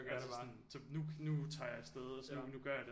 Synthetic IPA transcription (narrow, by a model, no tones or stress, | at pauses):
æssɑɔn | sɒ̽nunut͡sʰɑ̈ːjɑ̈sd̥eð̞ˠɒsnunuɡ̥ɶɐjɑ̈d̥e